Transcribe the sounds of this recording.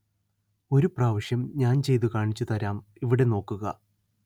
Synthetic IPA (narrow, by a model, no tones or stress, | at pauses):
o̞ɾupraːʋiʂjɐmɲaːnt͡ɕe̞jt̪̬ukaːɳit͡ɕːut̪ɐɾaːm | iʋiɽe̞no̞ːkːuɣɐ